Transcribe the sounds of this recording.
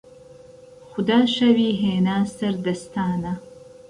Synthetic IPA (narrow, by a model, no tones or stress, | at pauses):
xʊd̪aːʃɐwiːɦeːnaːsɐɾd̪ɐst̪ʰaːnɐ